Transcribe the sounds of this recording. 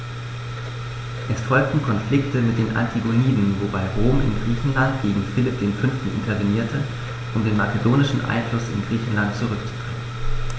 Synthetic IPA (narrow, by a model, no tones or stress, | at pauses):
ʔɛsfɔlk̚tn̩kʰɔnflɪktəmɪt̚d̥eːnʔa̰ntʰiɡoniːdnvobaɪʁoːmʔɪ̰nɡʁiːçn̩lantɡ̥eːɡŋ̩fɪlɪp̚d̥eːnfʏnftn̩ʔɪ̰ntʰɐveniːɐtʰə | ʔʊmdeːnmat͡sedoːnɪʃn̩ʔa̰ɪnflʊsɪ̰nɡʁiːçn̩lantt͡suʁʏkt͡su̥d̥ʁḛŋənn